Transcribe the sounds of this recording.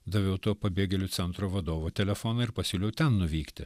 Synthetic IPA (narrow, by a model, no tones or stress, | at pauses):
d̪ɐʋʲɛʊt̪oːpɐbʲeːɡʲɛlʲʊt̪sʲɛnt̪ɾoːʋɐd̪oːʋot̪ʲɛlʲɛfoːnɐɪɾpɐsʲuːlʲɛʊt̪ʲɛnnʊʋʲiːkt̪ʲɪ